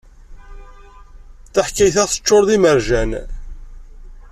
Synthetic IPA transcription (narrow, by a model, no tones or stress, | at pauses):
θaħkːæjθæʁθə̥t͡ʃːoɾˤðiməɾʒæn